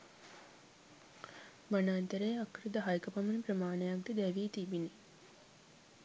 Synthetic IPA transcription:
banaːnt̪əɾəjakɾid̪əɦajkəpamənipɾəmaːnəjak̚d̪əd̪æʋiːt̪ibine

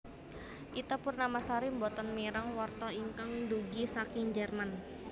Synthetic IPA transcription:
ʔit̪upʊrnamasaɾimbɔt̪ɔnmiɾaŋwart̪ɔiŋkəŋduɡisakiŋd͡ʒərman

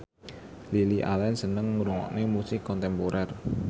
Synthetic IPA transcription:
liliʔa̰lɛnsənəŋːuɾuŋɔ̰ʔnemusɪkːɔnt̪ɛmpoɾʔɛr

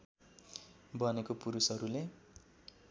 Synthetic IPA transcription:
bʌnekopuɾusʌɾule

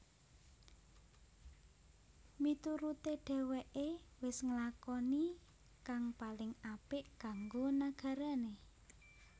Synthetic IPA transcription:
mit̪uɾut̪eɖ̥ɛ̤weʔewɪsŋəlakɔni | kaŋpalɪŋapɪʔɡ̥ä̤ŋɡonaɡ̥a̤ɾane

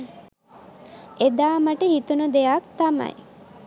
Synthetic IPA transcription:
ed̪aːmaʈəhit̪unud̪eak̚t̪amɐ̰j

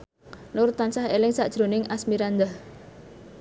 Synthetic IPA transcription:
nuɾʊt̪ansaɦelɪŋsa̰ʔd̥ʒ̥ɾo̤nɪŋʔasmiɾand̪ah

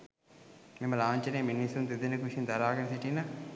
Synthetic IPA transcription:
miməlaːɲt͡ʃɐneːminːisund̪ed̪inəkuʃind̪ɐɾaːɡɐnɐsiʈina

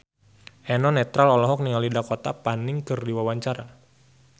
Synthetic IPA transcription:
ʔɛnɔnɛt̪ɾalɔlɔɦɔk̚niŋalidakot̪apanɪŋkɨrdiwawaɲt͡ʃaɾa

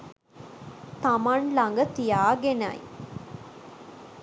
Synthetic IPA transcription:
t̪ɐmɐnlɐŋɡət̪ijaːɡenɐ̰j

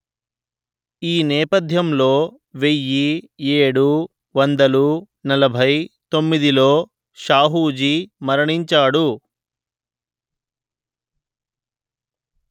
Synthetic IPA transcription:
iːnɛːpɐd̪ʱjɐmlo̞ː | ʋe̞jːieːɽu | ʋɐnd̪ɐlu | nɐlɐbʱɐjt̪o̞mːid̪ilo̞ː | ʃaːɦuːd͡ʒimɐɾɐɳiɲt͡ʃaːɽu

